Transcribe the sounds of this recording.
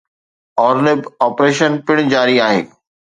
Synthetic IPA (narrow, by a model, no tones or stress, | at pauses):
ɔːɾnɪbɔːpɾeːʃənpɪɽ̃d͡ʑaːɾiaːɦḛː